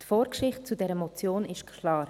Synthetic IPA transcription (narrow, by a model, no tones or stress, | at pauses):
tfoːɾkʃɪχt̚t͡sudɛːɾəmɔt͡sjoːnɪʃtkʰlɑːɾ